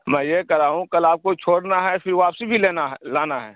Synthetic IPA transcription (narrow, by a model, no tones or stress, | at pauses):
mɛ̃ːjekɐɾaːɦũkɐlaːp̚kot͡ʃʰoːɽnaɦɛfɪɾʋoaːpsebʱileːnalaːnaɦɛː